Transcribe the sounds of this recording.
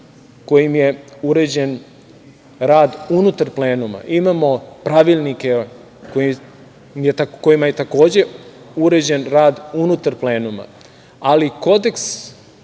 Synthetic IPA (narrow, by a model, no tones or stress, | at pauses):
ko̞jimjeuɾe̞d͡ʑe̞n | ɾaːd̪unut̪aɾple̞ːnuma̰ʔimaːmo̞pɾaʋilˠnike | kojim | mjeako̞jimajet̪ako̞ːd͡ʑe̞ | uɾe̞d͡ʑe̞nɾaːd̪unut̪aɾple̞ːnuma̰ | aliko̞d̪e̞ks